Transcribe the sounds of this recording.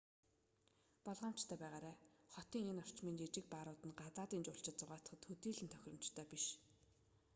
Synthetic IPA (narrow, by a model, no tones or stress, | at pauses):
pɔɮʁaːm̥t͡ɕt̪ʰœːpæːʁaːɾæːχɔt̪iːŋenɔr̥t͡ɕmint͡ɕet͡ɕɪ̆k̚paɾʊːt̪ə̆nɢat͡saːt̪iːnt͡ɕʊɬt͡ɕɪ̆t̪t͡sʊʁaːt̪ə̥̆χə̆t̪ʰxɵt̪iːɮɘ̆nt̪ʰœxʲrɞ̆m̥t͡ɕt̪ʰœːpiʃ